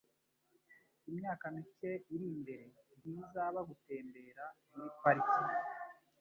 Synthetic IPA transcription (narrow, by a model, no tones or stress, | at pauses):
imɲaːkamice̞iɾimbe̞ɾe̞jiːzaβaɡute̞ːmbe̞ːɾa | wipaɾiki